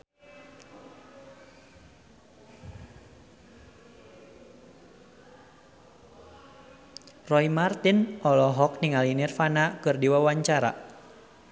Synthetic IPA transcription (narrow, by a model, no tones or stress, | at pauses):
rɔimart̪inɔlɔɦɔk̚niŋalinɛrfanakɨrdiwawaɲt͡ʃaɾa̰